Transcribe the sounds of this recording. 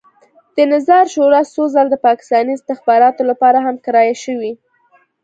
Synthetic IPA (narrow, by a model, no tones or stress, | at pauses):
d̪̥ənazɑɾʃoɾɑsozɑld̪əpɑkɪ̥st̪ɑniɪst̪ɪxbɑɾɑt̪olapɑɾaɦamkaɾɑjaʃəwi